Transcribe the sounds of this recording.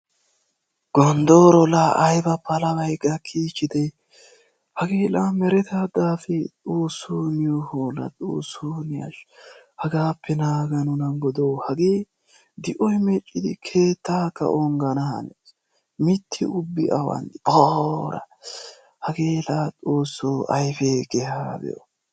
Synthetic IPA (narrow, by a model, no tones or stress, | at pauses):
ɡ̥ɔnd̪oːɾɔlaʔːjbɐpʰɐlɐbɐjkʼːɐkʰiːt͡ʃːɪd̪ɛj | hɐɡeːlamɛɾɛt̪aːd̪aːfɛt̪ʼoːsːoːnɪjɔhoːlɐ̰t̪ʼṵːsoːnɪjɐ̰ʃ | hɐɡaːpːɛnaːɡɐnʊnɐɡɔd̪owhɐɡeː | d̪ɪʔɔjmɛt͡ʃʼːɪd̪ɪkʰe̞ːt̪ʰːaːkːɐ̰ʔɔŋɡɐnɐhɐ̰nɛs | mɪt̪ʰːɪ̰ʊbːɪʔɐ̰wɐ̰nd̪ɪboɾɐ̰ | hɐɡeːlaːt͡sʼo̞ːsːoːʔɐjfeːɡɛhaːb̪ɛ̰jo̰